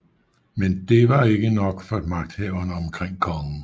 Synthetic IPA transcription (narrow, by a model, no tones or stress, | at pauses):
mend̥e̝ʋɑ̈e̝ɡ̥ənɒ̽ɡ̥fɒ̽mɑ̈ɡ̥̚d̥hɛʊɐnəɒ̽mkʰʁeŋ̰kʰɒ̽ŋn̩